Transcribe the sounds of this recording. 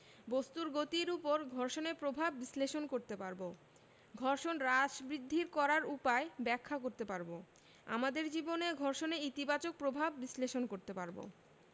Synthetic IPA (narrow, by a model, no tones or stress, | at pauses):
bost̪uɾɡot̪iɾupoɾɡʱɔɾʃonepɾobʱabːisleʃonkoɾt̪epaɾbo | ɡʱɔɾʃonɾad͡ʑbɾid̪ʱːiɾkɔɾaɾupaebɛkʰːakoɾt̪epaɾbo | a̰mad̪eɾd͡ʑiboneɡʱɔɾʃoneit̪ibat͡ɕok̚pɾobʱabːisleʃonkoɾt̪epaɾbo̰